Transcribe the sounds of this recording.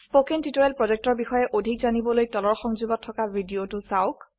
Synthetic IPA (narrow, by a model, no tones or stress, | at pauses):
spokɛntitoɹɛlpɹɔzɛk̚tɔɹbixɔjɛʔodʱikzanibɔlojtɔlɔɹxɔŋzubɔtʰːɔkavʱidiotʊsaʊk